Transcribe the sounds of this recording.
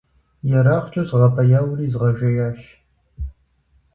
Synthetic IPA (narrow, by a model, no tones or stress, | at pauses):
jɛɾaːχt͡ʃʼɐzʁɐpʰɐjaːwriːzʁɐʒɐjaːʃ